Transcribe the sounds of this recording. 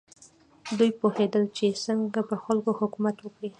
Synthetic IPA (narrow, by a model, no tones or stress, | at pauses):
d̪ujpohed̪əlt͡ʃesəŋɡapəxalkohʊkumat̪wəkɽi